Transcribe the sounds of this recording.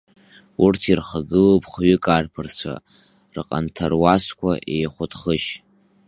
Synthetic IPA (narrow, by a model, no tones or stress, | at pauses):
urtʰirχaɡɨlopʼχɥʏkʼarpʰɨrt͡ɕʷʰa̰ | rɨqʼa̰ntʰarwaskʷʰaʔe̞jχʷʊtʰʼχəʃ